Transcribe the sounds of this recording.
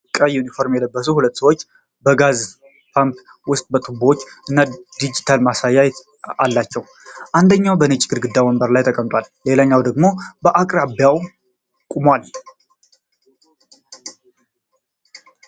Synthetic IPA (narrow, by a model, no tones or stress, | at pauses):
kʼəjunifo̞ɾmjɛləbːəs̬uhulət̪ːsəwot͡ʃː | bəɡaz | pʰamp | wʊst̪ʼbət̪ʼɨbo̞t͡ʃːɨnːad̪id͡ʒit̪ʰalmasajːaj | a̰lːat͡ʃːɛw | ʔand̪əɲːawbənɨt͡ʃʼɡɨɾɡɨd̪ːawəmbəɾlajt̪ʰəkʼəmt̪ʼwalle̞laɲːawd̪əɡmo̞bəʔakʼɾabjaw | kʼumal